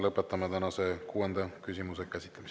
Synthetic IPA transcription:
lɤpːˑet̪ːˑɑmɑt̪ænɑsekuːend̪̥ɑkysʲimusekæsʲit̪lɑmis

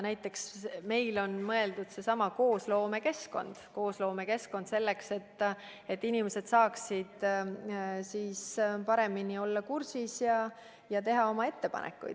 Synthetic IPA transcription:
næjt̪ːˑe̞ksme̞jlo̞nmɤe̞ld̪̥ud̪̥se̞sɑmɑko̞ːslo̞ːme̞ke̞sko̞̰nd̪̥ko̞ːslo̞ːme̞ke̞sko̞nd̪se̞lːe̞kse̞t̪ːˑ | e̞t̪ːinimese̞d̪̥sɑːksid̪̥ | siːspɑɾe̞minio̞lːɑkursisjɑ | jɑt̪e̞ɦɑo̞mɑe̞t̪ːe̞pɑ̰nʔḛkːˑṵjd̪

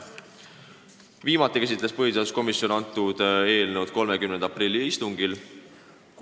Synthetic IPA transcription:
viːmɑt̪ːˑikæs̬it̪lespɤɦjid̪esko̞misjo̞nɑnt̪ːˑud̪̥e̞ːlnud̪̥̚ko̞lmekymnend̪ɑprilːiist̪uŋɡ̥il

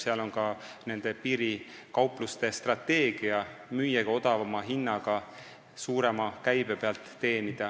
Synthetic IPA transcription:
seɑlo̞nkɑ | ne̞nd̪̥e̞piːɾikɑwplust̪e̞st̪rɑt̪ːe̞ːɡ̥iɑmyjːɑɡɑo̞d̪̥ɑvɑmɑɦinːɑɡ̥ɑ | suːɾe̞mɑkæjb̥e̞peɑlt̪ːe̞ːnid̪̥ɑ

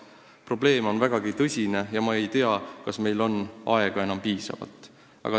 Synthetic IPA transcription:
pro̞ble̞ːmo̞nvæɡ̥ɑɡit̪ɤsʲine̞jɑmɑe̞jt̪e̞ɑkɑsme̞jlo̞nʔɑ̰e̞ɡ̥ɑe̞nɑmpiːsɑ̰vɑ̰lt̪ːˑ | ʔɑ̰ɡ̥ɑ

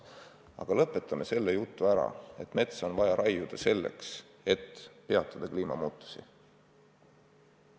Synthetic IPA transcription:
ɑ̰ɡ̥ɑlɤpːˑe̞t̪ːˑɑme̞se̞lːejut̪ːˑuæɾɑ̰e̞t̪ːˑme̞t̪sonvɑjɑɾʔɑjjud̪̥ɑse̞lːḛks | e̞t̪ːpe̞ɑt̪ˑːɑd̪̥ɑkliːmɑ̰muːt̪ːˑu̥sḭ

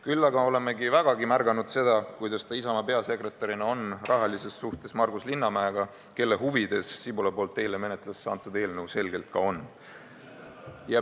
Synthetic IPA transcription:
kylːɑɡɑo̞le̞me̞ɡivæɡ̥ɑɡimærɡ̥ɑnud̪̥se̞d̪̥ɑkujd̪̥ɑst̪ɑisɑmɑpe̞ɑse̞kre̞t̪ːˑɑɾinɑo̞nrʔɑɦɑlise̞ssuht̪e̞smɑrɡ̥uslinːɑmæeɡ̥ɑ | ke̞lːe̞ɦuvid̪̥e̞sːibulɑpo̞ːlt̪ːˑeːleme̞net̪ːˑlɑsːɑnt̪ːˑud̪e̞ːlnəwse̞lɡ̥e̞lt̪̚kɑo̞n | jɑ

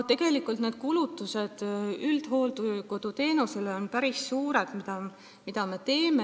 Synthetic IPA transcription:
t̪ːe̞ɡ̥e̞likːˑult̪neːd̪̥kulut̪ːˑuse̞d̪̥yld̪̥ho̞ːlt̪uko̞d̪̥ut̪e̞ːnuse̞leonpæɾisːuːɾe̞d̪̥mid̪̥ɑ | mid̪̥ɑme̞t̪e̞ːme

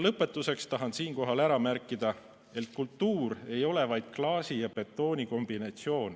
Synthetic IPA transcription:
lɤpːˑe̞t̪ːˑuse̞kst̪ɑɦɑnsiːŋko̞ɦɑlæɾɑmærkːˑid̪̥ɑ | e̞t̪̚kult̪ːuːɾe̞jo̞le̞vɑjd̪̥̚klɑːsijɑpe̞t̪ːˑo̞ːnʲiko̞mb̥inɑt̪sio̞ːn

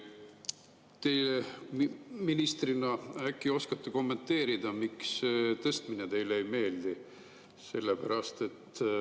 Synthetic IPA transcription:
t̪e̞jle | minist̪rinɑækˑːio̞skɑt̪ːeko̞mːe̞nt̪ːe̞ːɾid̪̥ɑmikst̪ɤst̪minet̪e̞jlejme̞ːld̪i | se̞lːepæɾɑst̪e̞t̪ː

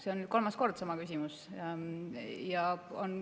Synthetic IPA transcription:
se̞o̞nyːd̪̥̚ko̞lmɑsko̞rd̪̥sɑmɑkysʲimus | jɑon

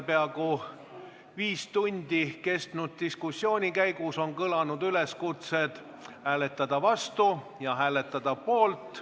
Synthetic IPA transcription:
peɑɡu | viːst̪unʲd̪̥ike̞st̪nud̪̥̚t̪iskusːjo̞ːnʲikæjɡuso̞nkɤlɑnud̪yle̞skut̪se̞d̪̥ | hæːle̞t̪ːˑɑd̪ɑvɑst̪u | jɑɦæːle̞t̪ːˑɑd̪̥ɑpo̞ːlt̪ˑ

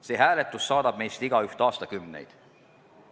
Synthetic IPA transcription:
se̞ːɦæːlet̪ːˑusːɑːd̪ɑb̥̚me̞jst̪iɡ̥ɑyht̪ɑːst̪ɑkymnḛjd̪̥

